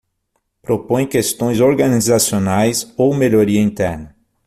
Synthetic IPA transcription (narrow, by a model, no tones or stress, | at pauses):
pɾopõj̃kest̪õj̃zoɾɡanizasionajsowmeʎoɾiɐĩnt̪ɛɾnɐ